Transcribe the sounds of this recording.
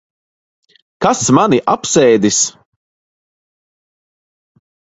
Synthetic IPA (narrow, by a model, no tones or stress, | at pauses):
kasmaniʔapsɛjd̪is